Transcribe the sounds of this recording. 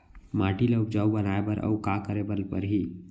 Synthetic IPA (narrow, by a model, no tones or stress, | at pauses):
maːʈileʊpd͡ʒaːubənaebəɾʔə̰ukaːkəɾebəlpə̰ɾɦiː